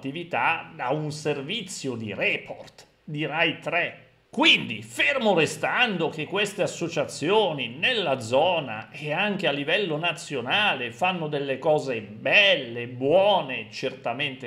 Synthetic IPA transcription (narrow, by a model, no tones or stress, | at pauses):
t̪ːivit̪ad̪aunservit̪sːjod̪ḭɾɛpʰort̪ | d̪irajt̪ɾɛ | kwind̪ifermoɾest̪and̪ok̟ekːwest̪easːot͡ʃat̪sːjoːninelːad̪zɔːna̰eaŋk̟ealːivɛlːonat̪sːjonaːlefanːod̪elːekɔːze | bɛlːebwɔːnet͡ʃert̪ament̪e